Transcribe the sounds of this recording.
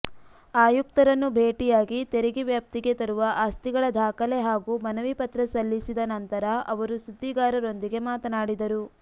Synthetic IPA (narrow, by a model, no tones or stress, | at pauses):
aːjuk̚t̪ɐɾɐnːubʱeːʈijaːɡit̪eɾiɡiʋjaːp̚t̪iɡe̞t̪ɐɾuʋɐʔaːst̪iɡɐɭɐd̪ʱaːkɐle̞ɦaːɡuːmɐnɐʋipɐt̪ɾɐsɐlːisid̪ɐnɐnt̪ɐɾɐɐʋɐɾusud̪ːiɡaːɾɐɾo̞nd̪iɡe̞maːt̪ɐnaːɽid̪ɐɾu